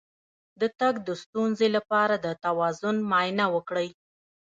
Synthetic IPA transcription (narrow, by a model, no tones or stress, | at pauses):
d̪ət̪aɡd̪əst̪unzelapɑɾad̪ət̪awɑzʊnmɑjnawəkɽəj